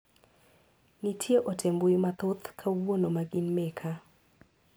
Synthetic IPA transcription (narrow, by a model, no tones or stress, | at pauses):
nitʰjeʔotʰembuimat̪ʊt̪kʰawwonomaɡinmekʰa